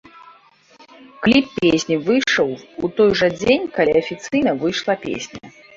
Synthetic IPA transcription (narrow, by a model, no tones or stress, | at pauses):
klʲippʲesʲnʲivɨjʂəwut̪ɔjʐɐd͡zʲenʲkalʲiɐfʲit̪sɨjnɐvɨjʂlˠɐpʲḛsʲnʲɐ̰